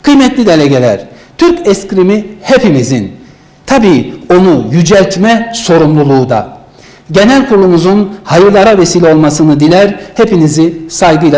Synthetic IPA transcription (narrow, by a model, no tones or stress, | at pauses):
kʰɯjmɛt̪ʰlʲid̪e̞lʲeɟe̞lʲæ̰ɾ̥t̪ʰyɾcɛscɾimihepimizin | t̪ʰabiːo̞nujyd͡ʒɛlʲt̪mɛso̞ɾumlˠulˠuːd̪a̰ | ɟe̞nælʲkʰuɾlˠumuzunhajɯɾlˠaɾavesiːlʲɛo̞lˠmasɯnɯd̪ilʲæɾhepinizisajɡɯjlˠa